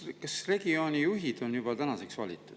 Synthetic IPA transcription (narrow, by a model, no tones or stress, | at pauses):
kɑsre̞ɡ̥io̞nʲijuɦid̪̥o̞njubɑt̪ænɑse̞ksvɑ̰lʲit̪ːˑud̥̪